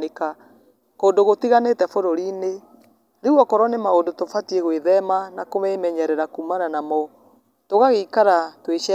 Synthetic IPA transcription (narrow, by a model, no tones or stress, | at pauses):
eka | koːndoɣotiɣanetɛfoɾoɾine | ðeɣwɔkɔɾɔnemaondotofatieɣweðɛmanakomɛmɛɲɛɾɛɾakuːmananamɔ | toɣaɣeikaɾatweʃɛ